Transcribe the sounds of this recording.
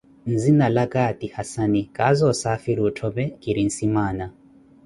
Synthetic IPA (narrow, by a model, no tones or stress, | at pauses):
n̩zinalakatihasanikazɔsafiɾuːtʰɔβɛkiɾin̩simaːna